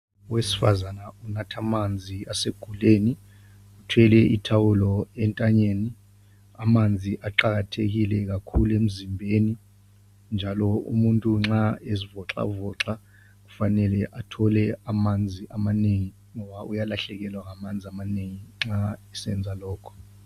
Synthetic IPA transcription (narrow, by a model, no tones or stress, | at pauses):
wesi̥fa̰zanaunatʰamand͡zʱiaseɡ̥ʱuleːni | utʰwɛlɛitʰawulɔɛntʼaɲeːni | amand͡zʱiʔaǃaɣ̬atʰeɣ̬ilɛk̬akʰuluem̩zimbʱeni | nd͡ʒʱalɔṵmuntʼuŋ͡ǁaezivɔǁa̰vɔǁa | k̬u̥fanɛlɛʔatʰɔlɛamand͡zʱiʔamaneŋi | ŋɔβaʔujalaɬɛk̬ɛlwaŋamand͡zʱiamaneŋiŋ͡ǁaɛsɛnd͡zʱalɔːkʰɔ̥